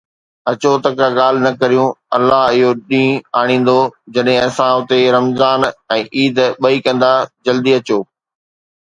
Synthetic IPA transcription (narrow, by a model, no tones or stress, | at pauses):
ɐt͡ɕot̪ɐkaɠaːl̤ɪnɐkɐɾijũɐlːaɦɪɦoɗĩːaːɽ̃ĩːn̆d̪od͡ʑɐɗɦẽɐsãʊt̪eɾɐmzaːnɛ̃ːʔiːd̪ɓɐikɐ̃nd̪ad͡ʑɐld̪iɐt͡ɕoː